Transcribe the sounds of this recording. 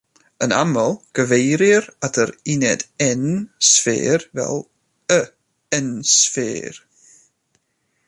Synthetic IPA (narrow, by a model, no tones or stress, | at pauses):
əna̰məlˠɡ̥əvejɾɪɾadʰəɾɪnɛdɛnsfḛːɾvɛ̰lˠ | ə | ɛnsfḛːr